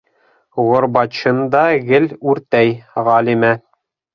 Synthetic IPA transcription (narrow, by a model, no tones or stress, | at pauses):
ʁŏɾbɑt̪ɕɤ̆nd̪ɑɣɘlʉɾt̪æjʁɑlimæ